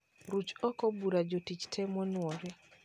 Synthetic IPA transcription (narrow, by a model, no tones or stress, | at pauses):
ɾut͡ʃɔkɔbuɾad͡ʒotit͡ʃtʰɛmɔnwɔɾɛ